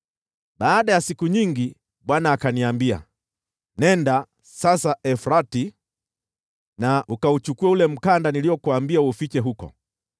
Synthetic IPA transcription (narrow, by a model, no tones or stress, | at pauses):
ɓaːɗajasikuɲiŋɡi | ɓwanaːkaniambia̰ | nɛnda | sasaɛfɾati | naʔukaut͡ʃukuɛulɛm̩kandaniliɔkuambiaufit͡ʃɛɦukɔ̰